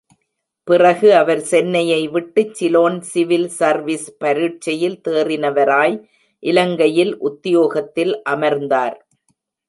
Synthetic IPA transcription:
pɪrɐɣɯɐʋɐɾsɛnːɐjɐɪʋɪʈːɯt͡ʃːɪloːnsɪʋɪlsɐɾʋispɐɾɪʈ̚t͡ʃːɐjɪlt̪eːrɪnɐʋɐɾaːj | ʔɪlɐŋɡɐjɪlʔʊt̪ːɪjoːɣɐt̪ːɪlʔɐmɐɾnd̪aːɾ

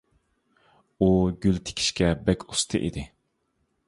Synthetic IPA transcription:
uɡʲylt̪ʰe̥kʲʰi̥ʃkʲɛbɛkʲʰu̥st̪ʰɨʔḭd̪ɪ

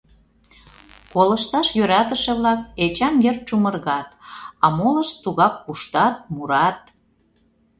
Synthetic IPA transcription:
kolə̆ʃt̪ɑʃjøɾɑt̪ə̆ʃeβlɑk̚et͡ɕɑmjert̪̚t͡ʃumərɣɑt̪ɑmolə̆ʃt̪ːuɣɑk̚puʃt̪ɑt̪̚muɾɑt̪̚

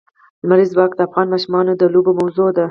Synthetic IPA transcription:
lmaɾizwɑkd̪əafɣɑnmɑʃumɑnod̪əlubomawzod̪a

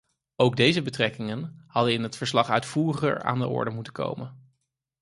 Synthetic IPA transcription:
owɡ̚dejzəbətrɛkɪŋənhɑdənɪnɦətfəɹslɑχœɥtfuːrəχə̰ɹa̰ːndəʔɔ̰ɹdəmutəko̰wmən

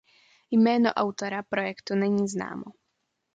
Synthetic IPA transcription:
jmɛːnɔ̰ʔaʊt̪ɔɾapɾɔjɛkt̪unɛɲizna̰ːmɔ

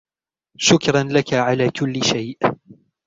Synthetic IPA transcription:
ʃʊkɾˤɑnlakaʕalaːkʊlːɪʃajʔ

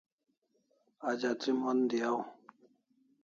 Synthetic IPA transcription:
ad͡ʒat͡simɔnd̪iaw

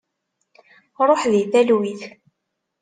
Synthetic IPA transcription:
ɾˤoħðiθælwiθ

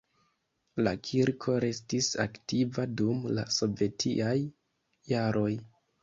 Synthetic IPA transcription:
lakʰiɾkʰo̞ɾe̞stisa̰ktivadumla̰so̞ve̞tʰḭʔajː | aɾo̞j

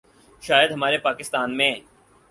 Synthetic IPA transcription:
ʃaːjəd̪ɦɐmaːɾepaːkɪst̪aːnmẽ

